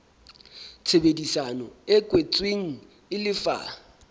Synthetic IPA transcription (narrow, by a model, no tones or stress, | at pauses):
t͡sʰɛɓedisanɔ̰ɛɡ̥ʱʼwet͡sʼweŋ̩ | ɪlɪfa̰